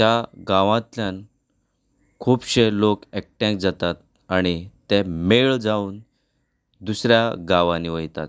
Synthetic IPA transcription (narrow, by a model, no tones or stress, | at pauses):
t̪jaɡãʋãt̪ljãn | kʰuːbɕelokek̚ʈɛ̃k̚d͡zat̪at̪̚ | aɽ̃it̪ɛmeɭd͡zauːn | d̪usɾjaɡãʋãniʋəjt̪a̰t̪